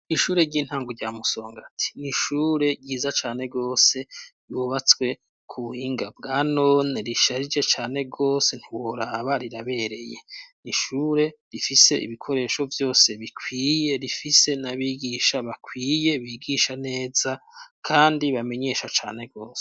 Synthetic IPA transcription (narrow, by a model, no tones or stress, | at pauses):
iʃuːɾe̞ɟiːn̥haːŋɡuɟamuso̞ːŋɡatʰi̥niʃuːɾe̞ɟiːzat͡ʃaːne̞ɡo̞ːse̞ | juβat͡swe̞ | kʰuβuhiːŋɡab̚ɡaːno̞neɾiʃaɾid͡ʒe̞t͡ʃaːne̞ɡo̞ːse̞n̥iwo̞ɾaβaɾiɾaβe̞ɾe̞je̞̰niʃuːɾe̞ɾifise̞ʔḭβikʰo̞ɾe̞ːʃo̞vjo̞ːse̞βikʰwiːje̞ɾifise̞naβiːɡiʃaβakʰwiːje̞βiːɡiʃane̞ːzakʰaːndiβame̞ɲe̞ʃat͡ʃa̰ːne̞ɡo̞ːse